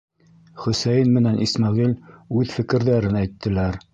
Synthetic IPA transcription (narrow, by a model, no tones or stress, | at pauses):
χɵ̆sæjɘnmɘ̆nænʔismɑʁilʉðfɘ̆kɘ̆ɾðæɾɘnæjt̪ːɘ̆læɾ